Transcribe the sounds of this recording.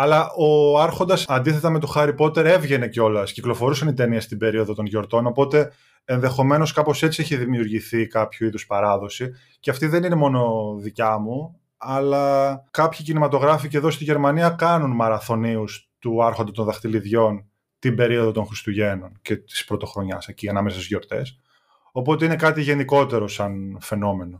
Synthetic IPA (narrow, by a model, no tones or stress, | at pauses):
ɐlɐʔoɐɾxo̞nd̪ɐsɐnd̪iθe̞t̪ɐme̞t̪oxɐɾipo̞t̪e̞ɾe̞vʝe̞ne̞ceo̞lɐsciklo̞fo̞ɾusɐnit̪eniɐst̪ibe̞ɾio̞ðot̪o̞nʝo̞ɾt̪o̞no̞po̞t̪e̞ː | nðe̞xo̞me̞no̞skɐpo̞se̞t͡sieçiðimiuɾʝiθikɐpçuiðuspɐɾɐðo̞si | ceɐft̪iðe̞nine̞mo̞no̞ðicɐmu | ɐlɐkɐpçicinimɐt̪o̞ɣɾɐficeðo̞st̪iʝe̞ɾmɐniɐkɐnunmɐɾɐθo̞niust̪uɐɾxo̞nd̪et̪onðɐxt̪iliðʝo̞n | t̪imbe̞ɾio̞ðo̞t̪onxɾist̪uʝe̞no̞nce̞t̪i̥spɾo̞t̪o̞xɾo̞ɲɐ̰seciɐnɐme̞sɐsizʝo̞ɾt̪e̞̰s | o̞po̞t̪e̞ine̞kɐt̪iʝe̞niko̞t̪e̞ɾo̞sɐnfe̞no̞me̞no̞